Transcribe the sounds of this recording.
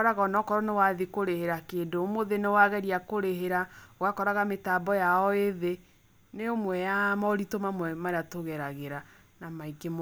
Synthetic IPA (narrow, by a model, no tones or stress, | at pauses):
ɔɾaɣaɔnɔkɔɾɔnewaðikoɾeheɾakeːndomoðenewaɣɛɾiakoɾeɦeɾawakɔɾaɣametaːbɔjaɔeðe | neomwɛjamɔɾitomamwɛmaɾeatoɣɛɾaɣeɾa | namaikemo